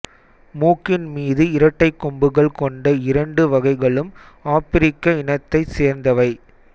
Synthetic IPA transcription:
muːkːɪnmiːðɯɪɾɐʈːɐɪkːɔmbɯɣɐɭkɔɳɖɐɪɾɐɳɖɯʋɐɣɐɪɣɐɭɯm | aːpɪɾɪkːɐɪnɐt̪ːɐɪseːɾnd̪ɐʋɐɪ

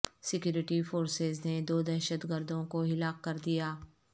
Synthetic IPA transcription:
sɪkjuːɾɪʈifoːɾsezned̪oːd̪ɛːʃəd̪ɡəɾd̪õkoɦɪlaːqkɐɾd̪ijaː

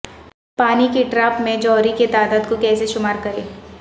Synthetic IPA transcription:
paːnikiʈɾaːpmẽd͡ʒɔːɾiket̪aːd̪aːd̪kokɛːseʃʊmaːɾkɐɾeː

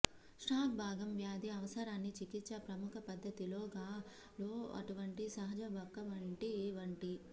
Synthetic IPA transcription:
ʂʈaːk̚bʱaːɡɐmʋjaːd̪iɐʋɐsɐɾaːnːit͡ʃikit̪ːt͡ʃɐpɾɐmukʰɐpɐd̪ʱːɐt̪iloːɡaː | loːɐ̰ʈuʋɐɳʈisɐɦɐd͡ʒɐʋɔkːɐʋɐɳʈiʋɐɳʈi

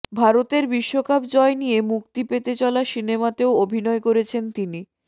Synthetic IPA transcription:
bʱaɾot̪eɾbiʃːokapd͡ʑɔenijemuk̚t̪ipet̪et͡ɕɔlaʃinemat̪eoobʱinɔekoɾet͡ɕʰent̪ini

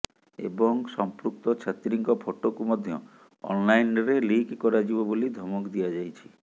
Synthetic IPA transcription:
ḛbɔŋsɔmpɾuk̚t̪ɔt͡ʃʰat̪ɾiŋkɔpʰoʈokumɔd̪ʱjɔ̰ | ɔ̰nlajnɾelikkːɔɾad͡ʒibɔbolid̪ʱɔmɔkd̪ijad͡ʒajt͡ʃʰi̥

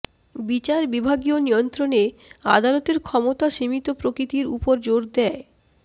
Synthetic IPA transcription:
bit͡ɕaɾbibʱaɡionijont̪ɾonea̰d̪alot̪eɾkʰɔmot̪aʃimit̪opɾokɾit̪iɾupoɾd͡ʑoɽd̪ɛe

